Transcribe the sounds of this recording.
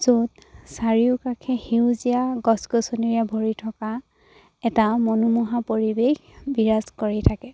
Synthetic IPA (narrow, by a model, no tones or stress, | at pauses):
zodsaɹiʊkakʰɛhiuzijaɡɔsɡɔsɔniɹijabʱoɹitʰɔka | ɛtamɔnumuɦapoɹibexbiɹazkoɹitʰakɛ